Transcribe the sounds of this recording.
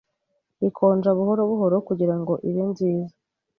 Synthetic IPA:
βikʰo̞ːnd͡ʒaβuɦoɾo̞βuɦo̞ɾo̞kuɟiɾaŋɡo̞ʔiβenziːza

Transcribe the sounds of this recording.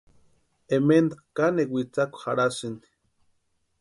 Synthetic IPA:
emend̪akanewʷit͡sakʷhaɽasɨni̥

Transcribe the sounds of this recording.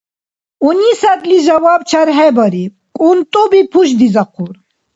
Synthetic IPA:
unisad̪lizawab̚t͡ʃʰaɾɦɛbəɾi | kʼunt̪ʼɔbipʰuʃ̬d̪izɐqʰuɾ

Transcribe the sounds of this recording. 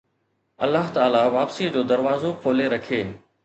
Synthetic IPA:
ɐ̰lːaɦt̪aːlaʋaːpsiːəd͡ʑoːd̪ɐɾʋaːzokʰoːleɾɐkʰeː

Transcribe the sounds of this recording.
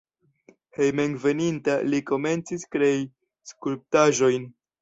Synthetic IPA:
hejmeŋve̞nintaliko̞me̞nt͡siskɾe̞i | skulp̚taʒo̞jn

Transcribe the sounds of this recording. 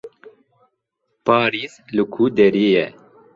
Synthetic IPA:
paːɾiːzlɨkʰuːd̪ɛɾeːjɛ

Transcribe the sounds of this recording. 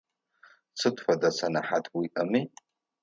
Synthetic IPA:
t͡sʰɨtʷʰʼħʷadasʰanaħatʰʼwiʔami

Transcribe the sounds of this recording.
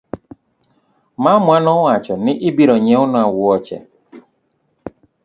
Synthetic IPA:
mamuanɔat͡ʃɔnɪʔɪbiɾɔɲɛʊnawʊɔt͡ʃɛ̰

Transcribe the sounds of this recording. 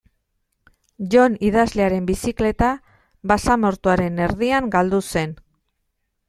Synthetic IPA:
ʝo̞niðazle̞aɾe̞mbisikle̞t̪a | βasamo̞ɾt̪uaɾe̞ne̞ɾðiaŋɡald̪use̞n

